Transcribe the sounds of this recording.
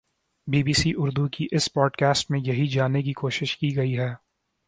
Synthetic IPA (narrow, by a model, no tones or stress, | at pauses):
biːbiːsiʔʊɾd̪ukiʔɪspɔːɖkɛːsʈmẽjɐɦid͡ʒaːnek̬ikoːʃɪʃkiɡɐiɦɛː